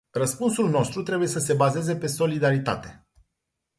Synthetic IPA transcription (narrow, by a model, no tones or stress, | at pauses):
rəspunsulno̞st̪ɾut̪ɾe̞buje̞səse̞baze̞ze̞pe̞so̞lid̪aɾit̪a̰t̪e̞